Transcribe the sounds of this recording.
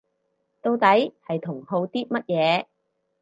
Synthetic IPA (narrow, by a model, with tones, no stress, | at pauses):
t̪o˧wt̪ɐ˨˥jhɐ˨jt̪ʰʊ˨˩ŋho˧wt̪iː˥t̚mɐ˥t̚jɛː˨˧